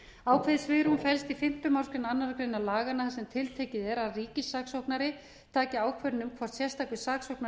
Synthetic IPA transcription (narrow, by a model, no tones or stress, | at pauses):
aːwkʰvɛðsvɪːɾunfɛlst̪ifɪm̥t̪ʏmawɾskɾɪnanːaɾakɾejnalaːɣanasɛmt̪ʰɪlt̪ʰɛcɪðɛɾaðriːcɪsːaksowknaɾɪ | t̪ʰaːcɪaːwkʰvœɾnʏmkʰvɔr̥t̪sjɛr̥st̪ʰawkvɪsaːksowkna